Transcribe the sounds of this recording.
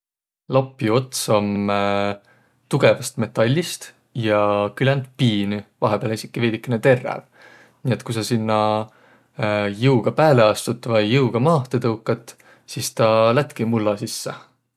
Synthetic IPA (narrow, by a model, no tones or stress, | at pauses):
lɑpːˑio̞t̪sɑm | t̪uɡ̥e̞vɑst̪me̞t̪ːˑɑlʲːist̪ | jɑkylend̪piːnyvɑɦepeːlisikːˑive̞ːd̪̥ikːˑenet̪e̞rːḛl | nie̞t̪kujsɑsinːɑ | jɯwɡ̥ɑpæːle̞ɑst̪ut̪ːˑvɑjːɯuɡ̥ɑmɑːht̪et̪ɤwkːˑɑt̪ | siːst̪ɑlæt̪ˑkimulːɑsisːe